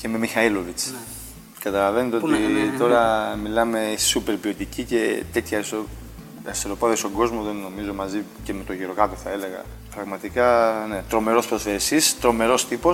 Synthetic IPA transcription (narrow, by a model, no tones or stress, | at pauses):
ce̞me̞mixɐilo̞vit͡s | kɐt̪ɐlɐve̞net̪eot̪it̪o̞ɾɐmilɐme̞supe̞ɾpio̞t̪icice̞t̪e̞t̪çɐeso | eselo̞pɐðeso̞ŋɡo̞zmoðe̞nːo̞mizo̞mɐzice̞me̞t̪o̞ʝiɾo̞kɐt̪oθɐele̞ɣɐ̰ | pɾɐɣmɐt̪ikɐne̞t̪ɾo̞me̞ɾo̞spɾoθesist̪ɾo̞me̞ɾo̞st̪ipo